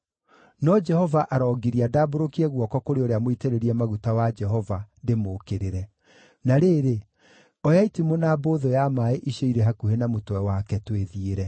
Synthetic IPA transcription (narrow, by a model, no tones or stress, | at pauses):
nɔd͡ʒɛhɔvaʔaɾɔːɡiɾiadaːboɾokiɛɣwɔkɔkoɾeoɾeamoiteɾeɾiɛmaɣutawad͡ʒɛɦɔvandemokeɾeɾɛ | naɾeːɾe | ɔjaitimonaːboːðɔjamaeʔiʃeiɾɛɦakuhenamotwɛwakɛtweðieɾɛ